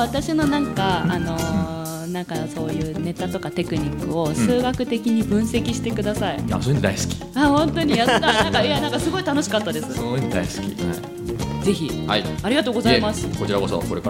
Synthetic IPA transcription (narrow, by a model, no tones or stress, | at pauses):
βat̪aɕino̞nãŋkaano̞ | nãŋkaso̞ːjɯ̟ːne̞t̪at̪o̞kat̪e̞kɯ̟ɲ̟ikːɯ̟o̞sɨːɡakɯ̟t̪e̞kʲiɲ̟ibɯ̟̃ɰ̃se̞kʲiɕi̥t̪e̞kɯ̟d̪asaia̰soːined̪aisɨ̥kʲi̥ahõ̞nt̪o̞ɲ̟ijaːanãŋkaianãŋkasɨɡo̞it̪ano̞ɕi̥kat̪ːad̪e̞sɨ̥ond̪a̰iskʲḭa | d͡ze̞çʲiha̰iaɾʲiɡat̪oːɡo̞zaimasɨ̥ko̞t͡ɕiɾaɡo̞so̰ko̞ɾeka